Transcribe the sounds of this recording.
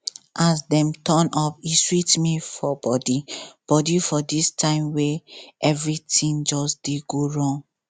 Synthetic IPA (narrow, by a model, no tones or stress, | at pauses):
asdɛ̃mtɔnɔpiswitmifɔbɔdib̥ɔdifɔdistʰãɪ̃mweɛvɹitĩnd͡ʒɔsd̥eɡoɹɔ̃ŋ